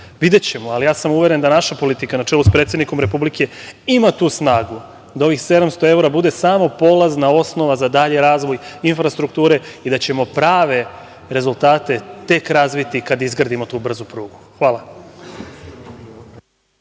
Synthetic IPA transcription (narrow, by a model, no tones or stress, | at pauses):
ʋid̪et͡ɕe̞moalijaːsamuʋe̞ɾe̞nd̪anaʃapo̞lit̪ikanat͡ʃe̞luspɾe̞t̪sed̪niko̞mɾe̞publike̞imat̪uːsnaːɡu | d̪ao̞ʋixse̞d̪amst̪o̞e̞uɾabud̪e̞saːmo̞po̞lˠaznao̞sno̞ʋazad̪aʎe̞ɾaːzʋo̞jinfɾast̪ɾuk̚t̪uːɾe̞id̪at͡ɕe̞mo̞pɾaːʋe̞ | ɾe̞zulˠt̪aːt̪e̞t̪e̞kɾazʋit̪ikad̪izɡɾad̪imo̞t̪uːbr̩zupɾuːɡuxʋaːlˠa